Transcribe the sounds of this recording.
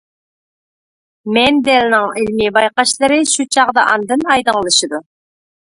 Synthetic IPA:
mɛnd̪ɛlnɪŋɪlmɪbɑjqɑʃlˠɨɾɨʃut͡ʃʰɑqd̪ɑʔɑnd̪ɨnɑjd̪əŋlˠɨʃɨd̪u

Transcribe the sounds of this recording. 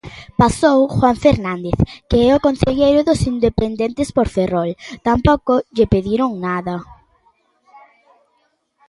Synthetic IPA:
pasowxwaɱfeɾnãnd̪eθkeɛokõnθeʎejɾʊðʊsind̪epend̪ent̪ɪspoɾferolt̪ampɔkoʎepeðiɾʊŋnaðɐ

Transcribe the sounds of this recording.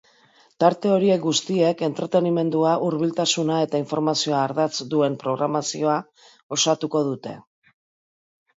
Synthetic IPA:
t̪aɾt̪e̞o̞ɾie̞kɡust̪ie̞ke̞nt̪ɾe̞t̪e̞nime̞nd̪uaʔuɾβ̞ilt̪asunae̞t̪aiɱfo̞ɾmasio̞aːɾðat͡sd̪ue̞mpɾo̞ɣɾamasio̞a | o̞sat̪uko̞ð̞ut̪e̞̰

